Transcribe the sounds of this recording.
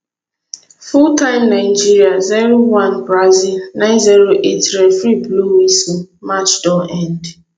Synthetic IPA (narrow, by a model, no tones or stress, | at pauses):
futãɪmnaɪd͡ʒiɾiaziɾowanbɾazilnãɪ̃nziɾoʔetɾefɾibluisimat͡ʃdɔɛnd